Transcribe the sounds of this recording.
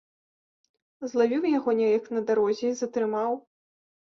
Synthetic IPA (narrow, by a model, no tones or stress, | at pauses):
zlˠavʲiwjaɣɔnʲɛjɐknɐd̪aɾɔzʲɛizɐt̪ɾɨmaw